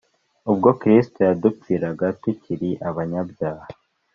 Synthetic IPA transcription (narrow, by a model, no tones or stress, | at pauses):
ub̚ɡo̞kɾistojadupiːɾaɡatuciɾiʔaβaɲabjaːha